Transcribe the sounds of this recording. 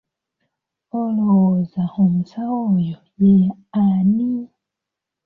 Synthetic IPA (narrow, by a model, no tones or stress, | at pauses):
olozaomusawojojeani